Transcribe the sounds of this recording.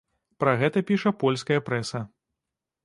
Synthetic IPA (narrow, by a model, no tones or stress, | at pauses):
pɾɐɣɛt̪ɐpʲiʂɐpɔlʲskɐjɐpɾɛsɐ